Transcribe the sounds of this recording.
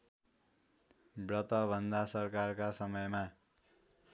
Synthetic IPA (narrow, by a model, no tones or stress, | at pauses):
brʌt̪ʌbʱʌnd̪asʌrkarkasʌmʌjma